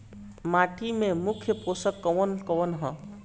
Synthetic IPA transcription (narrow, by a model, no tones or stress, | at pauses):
maʈimẽmukʰjəposəkːɔʋənkɔʋənɦə̃